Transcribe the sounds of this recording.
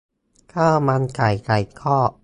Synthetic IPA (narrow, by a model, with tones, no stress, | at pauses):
kʰaː˥˩ma˧nka˨˩jka˨˩jkʰɔː˥˩